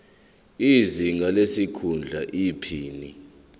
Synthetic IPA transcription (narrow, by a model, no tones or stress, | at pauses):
iziŋalesikʰund͡ɮʱaʔipʰiːni